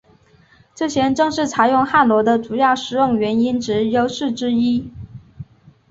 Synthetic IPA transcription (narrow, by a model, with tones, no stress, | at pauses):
ʈ͡ʂɤ˥˩ɕjɛ˥nʈ͡ʂɤ˥˧ŋʂɻ̩˥˩t͡sʰa˨˥ɪjʊ˥˧ŋxa˥˩lwɔ˧˥d̪ə˧ʈ͡ʂu˨˩jɑ˥˩ʊʂɻ̩˧˥jʊ˥˩ŋɥɛ˧˥ni˥nʈ͡ʂɻ̩˧˥jo˥ʊʂɻ̩˥˩ʈ͡ʂɻ̩˥i˥